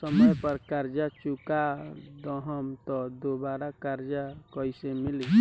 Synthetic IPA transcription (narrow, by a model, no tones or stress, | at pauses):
səməjpəɾkaɾd͡ʒat͡ʃukad̪ɔɦəmt̪ɔd̪obaːɾakaɾd͡ʒakɔisemɪli